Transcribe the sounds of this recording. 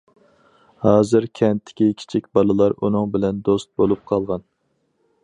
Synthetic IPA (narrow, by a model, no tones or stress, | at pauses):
hɑːzɨɾkʲʰɛnt̪ʰːɪ̥kʲikʲʰi̥t͡ʃʰikʲbɑlˠɨlˠɑɾunɨŋbɪlɛnd̪ost̪̚bolˠup̚qʰɑlˠʁɑn